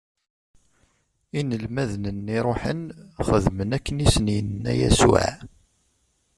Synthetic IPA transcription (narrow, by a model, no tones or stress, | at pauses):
inəlmæðnənːiɾˤoħə̰nχəðmənækːənisənjənnːæ̰jæ̰sṵʕ